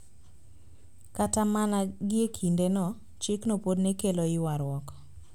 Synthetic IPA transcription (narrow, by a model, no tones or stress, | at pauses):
katamanaɡɪekʰindenɔ | t͡ʃɪknopodnekeloɪwaɾwɔkɔ̥